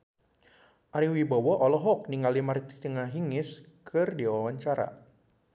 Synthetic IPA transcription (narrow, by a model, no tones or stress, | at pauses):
ʔaɾiwibawɔʔɔlɔɦɔk̚niŋɡalimaɾit̪i̥t̪əŋaɦiŋɪs | kʰɨrdiwawaɲt͡ʃaɾa̰